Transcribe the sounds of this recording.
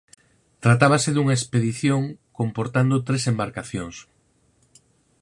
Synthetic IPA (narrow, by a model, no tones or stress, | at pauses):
t̪ɾat̪aβaseðuŋɐespeðiθjoŋkompoɾt̪and̪ot̪ɾesembaɾkaθjoŋs